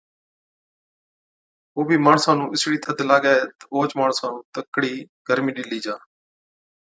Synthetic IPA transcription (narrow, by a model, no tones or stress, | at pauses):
oːbʱiːmaːɳsãːnũːʔɪsɽiːt̪ʰəd̪laːɡaːeːt̪əoːt͡ʃmaːɳsãːnũːt̪əkːɽiːɡ̥əɾmiːɗɪliːd͡ʒaː